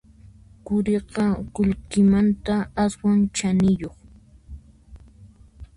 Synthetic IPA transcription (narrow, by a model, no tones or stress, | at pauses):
kʊɾeɢɑkʊʎkɪmant̪aaswant͡ʃanɪjoχ